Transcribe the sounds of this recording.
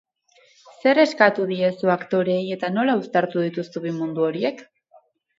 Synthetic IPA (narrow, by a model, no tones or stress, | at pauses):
se̞ɾe̞skat̪uðie̞suakt̪o̞ɾe̞je̞t̪ano̞laust̪aɾt̪uð̞it̪ust̪uβimund̪uo̞ɾie̞k